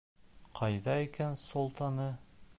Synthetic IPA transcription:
qʰɑjðɑikænsolˠt̪ɑnɤ

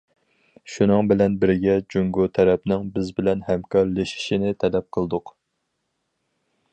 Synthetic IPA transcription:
ʃunɨŋbɪlɛnbɪɾɡʲɛd͡ʒuŋɡut̪ʰɛɾɛpnɪŋbɪzbɪlɛnhɛmkʰɑɾleʃi̥ʃinɪt̪ʰɛlɛp̚qʰəlˠd̪ʊq

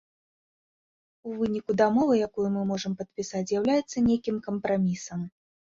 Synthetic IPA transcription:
uvɨnʲikud̪amɔvɨjakujumɨmɔʐɐmpɐt̪̚pʲisat͡sʲzjawlʲajɛt̪sːɐnʲejkʲimkɐmpɾamʲisɐm

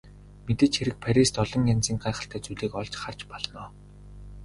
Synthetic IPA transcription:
met̪ɘ̆t͡ɕxeɾɘ̆k̚pʰæɾʲist̪ɔɮɞ̆ŋant͡siːŋɢaːχə̆ɬt̪ʰæːt͡suɮeːkɔɮt͡ɕχar̥t͡ɕpɔɮnɔː

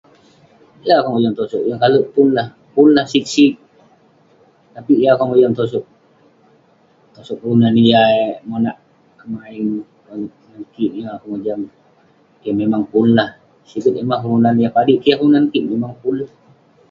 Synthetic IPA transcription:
ijakaŋod͡ʒaŋt̪osɔkjaŋkaluʔpunlah | punlahsik̚sik̚ | t̪apijakaŋmod͡ʒaŋt̪os̬ɔk̚ | t̪osɔk̚ɾunanijaemonaʔ | kəmaiŋ | nankiʔiakaŋod͡ʒaŋ | jaŋmemaŋpunlah | sikət̪̚emaɾunanjapadiʔkijahɾunankiʔmemaŋpunlah

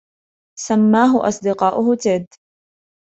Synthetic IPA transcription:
samːaːɦʊʔɑ̰sˤd̪ɪqɑːʔʊhʊt̪ɪːd̪

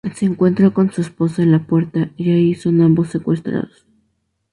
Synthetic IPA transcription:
seːŋkwe̞nt̪ɾokonsuesposaenlapwe̞ɾt̪aiʝaiso̞nambosːekwest̪ɾa̰ðos

